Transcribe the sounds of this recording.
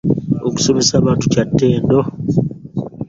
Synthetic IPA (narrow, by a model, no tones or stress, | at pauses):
oku̥so̞mesaːβaːntucatːe̞ːndo